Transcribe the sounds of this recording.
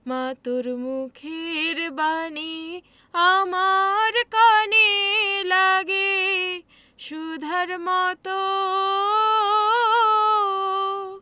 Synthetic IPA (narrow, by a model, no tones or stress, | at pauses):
mat̪oɾmukʰeɾbani | amaɾkanilaɡe | ʃud̪ʱɐɾmat̪o